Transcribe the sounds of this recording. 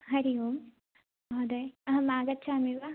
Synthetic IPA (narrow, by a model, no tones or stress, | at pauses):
ɦɐɾium | od̪emaːɡɐtːt͡ʃʰaːmiʋa